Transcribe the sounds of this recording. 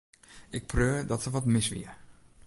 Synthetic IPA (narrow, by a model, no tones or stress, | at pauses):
ɪk̚pʰrøːədɔtsəʋɔtmɪsʋḭə